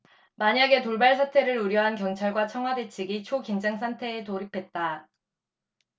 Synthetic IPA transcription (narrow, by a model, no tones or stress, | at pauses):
maɲaɡe̞toɭbaɭs̬ʰatʰe̞ɾɯɾuɾjʌɦankjʌŋt͡ɕʰaɭɡwat͡ɕʰʌŋɦwade̞t͡ɕʰiɡit͡ɕʰokind͡ʑaŋsʰantʰe̞ːtoɾipʰe̞t̚t͈a